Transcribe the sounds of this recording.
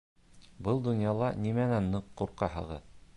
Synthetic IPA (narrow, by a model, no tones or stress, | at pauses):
bɤlˠd̪ŏnjɑlˠɑnimænænːɤqːuɾqɑhɤ̰̆ʁɤ̰